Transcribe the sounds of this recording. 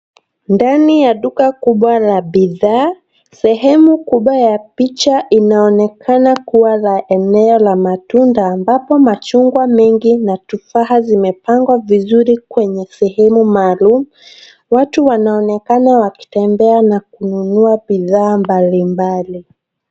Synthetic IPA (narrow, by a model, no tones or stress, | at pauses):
ndanijaɗukakuɓwalaɓiðaː | sɛɦɛmukuɓwajapit͡ʃaʔinaɔnɛkʰanakuwalaʔɛnɛɔlamatundaːmbapɔmat͡ʃuŋɡwamɛŋɡinatufaɦazimɛpaŋɡwavizuɾikwɛɲɛsɛɦɛmumaːlumu | watuwanaɔnɛkanawaki̥tɛmbɛanak̚ununuaɓiðaːmbalimbali